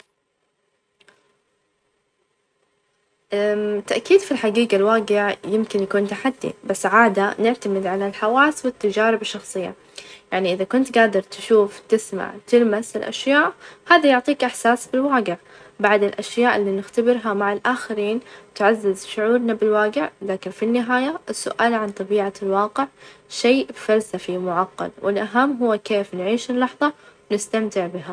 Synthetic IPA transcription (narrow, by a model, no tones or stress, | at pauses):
ʔat̪ːaʔkiːd̪filħaɡiːɡalwaːɡɪʕjɪmkɪnjakuːnt̪aħad̪ːḭbasːʕaːd̪anɪʕt̪amɪd̪ʕalalħawaːswɪt̪ːad͡ʒaːɾɪbɪʃːɑxsˤɨjːa̰ | jaʕniʔɪðakʊnt̪ɡaːd̪ɑɾˤt̪ʃuːft̪ɪsma̰ʕt̪ɪlmasɪlʔa̰ʃjaːʔhaːðajʊʕt̪ˤiːkʔaħsaːsbɪlwaːɡɪʕ | baʕd̪ɪlʔaʃjaːʔɪlːinɪxt̪abɪɾɦamaʕalʔaːxɪɾiːnt̪ʕazːɪzʃʊʕuːɾnabɪlwaːɡɪʕlaːkɪnfinːɪɦaːjaʔɪsːʊʔaːlʕant̪ˤɑbiːʕalwɑːqɪʕʃejfalsafimʊʕɑqːɑ̰lwʔɪlʔaɦamːɦʊwːkeːfnʕiːʃɪlːɑħðˤɑwnɪst̪amt̪ɪʕbɪɦa